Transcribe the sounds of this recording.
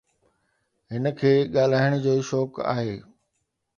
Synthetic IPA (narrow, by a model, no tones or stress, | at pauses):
ɦɪnəkʰeːɠaːl̤aːɪɽ̃d͡ʑoːʃɔːka̰ːɦeː